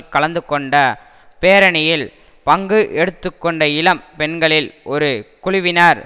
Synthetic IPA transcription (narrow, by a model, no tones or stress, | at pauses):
kɐɭɐnd̪ɯkːɔɳɖɐ | peːɾɐɳɪjɪl | pɐŋɡɯʔɛɽɯt̪ːɯkːɔɳɖɐɪlɐmpɛɳɡɐɭɪlʔɔɾɯkʊɻɪʋɪnaːɾ